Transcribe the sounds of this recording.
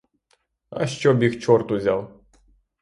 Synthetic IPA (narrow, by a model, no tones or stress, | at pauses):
ɐ̰ʃt͡ʃɔbʲixt͡ʃɔrt̪ʊzʲalˠ